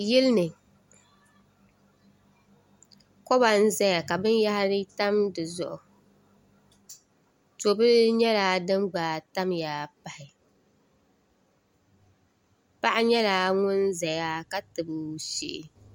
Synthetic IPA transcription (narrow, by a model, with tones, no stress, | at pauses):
jɪ˦lnɨ˨ | kɔ˦ba˨n̩˦za˦ja˨ka˨bɨ˦n˦ja˦ha˦ɾɨ˦ta˦mdɨ˨zʊ̰˨ʔʊ˨ | to˨bɨ˦ɾɲɛ˦laː˦dɨ˦mɡ͡baː˨ta˦mjaː˨pa˨hɪ˨ | pa˦ʔa˦ɲɛ˦laː˦ŋʊ˦nza˨ja˦ka˦tɨ˨bɨ˨ʃḭ˦ʔɪ˨